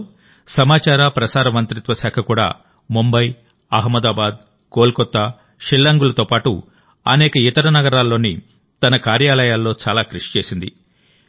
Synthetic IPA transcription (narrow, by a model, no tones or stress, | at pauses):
sɐmaːt͡ʃaːɾaːpɾɐsaːɾɐmɐnt̪ɾit̪ʋɐsaːkʰɐkuːɽa̰ː | mumbɐj | ɐɦmɐd̪aːbaːd̪ | ko̞ːlkɔt̪ːaː | ʃilːɐŋɡulɐt̪oːpaːʈṵ | ɐ̰nɛːkɐit̪ɐɾɐnɐɡɐɾaːlːo̞ːni | t̪ɐnɐkaːɾjaːlɐjaːlːo̞ːt͡ʃaːlaːkɾuʂi̥t͡ʃe̞ːsind̪ḭ